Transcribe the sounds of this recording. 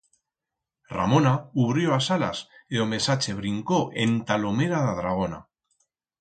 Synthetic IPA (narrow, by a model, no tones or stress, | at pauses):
ra̰mo̞nauβɾjo̞asala̰seome̞sat͡ʃeβ̞ɾiŋkoʔent̪alo̞me̞ɾaðaðɾaɣ̞o̞na̰